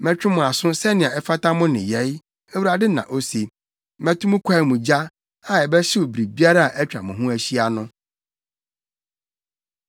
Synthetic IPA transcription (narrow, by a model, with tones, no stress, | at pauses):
mɛ̃˦t͡ɕᶣɪ˦mʊ̃˨a˨sʊ̃˦sɛ˦nɪ̃˨ã˨ɛ˦fa˦ta˦mʊ̃˦nɪ̃˨jɛ˨˦j | ɛ˦wu˦ɾa˨dɪ˦nã̰˨ʔo˦se˨ | mɛ̃˦tʰu˦mʊ̃˦kʷʰa˦i˨mũ˨d͡ʑa˦ | ã˨ɛ˨bɛ˦ɕɪ˦wo˨bɾi˨bi˦a˦ɾa˦a˨ʔɛ˦t͡ɕᶣɾa̰˨mʊ̃˨ɦʊ̃˦æ˦ɕi˦a˨nʊ̃˦